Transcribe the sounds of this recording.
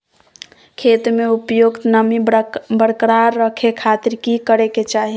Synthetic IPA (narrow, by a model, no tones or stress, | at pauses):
kʰet̪meupjoɡt̪nəmibəɽkɾaɾːəkʰekʰat̪iɾkikəɾeket͡ʃaɦi